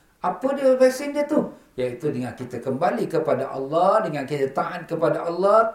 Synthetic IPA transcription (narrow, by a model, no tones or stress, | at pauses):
ʔapədiəfɛsɪndiət̪u | jait̪udəŋankit̪akəmbalikəpadaʔɑlːɔhdəŋankit̪at̪aʔat̪̚kəpadaʔɑlːɔh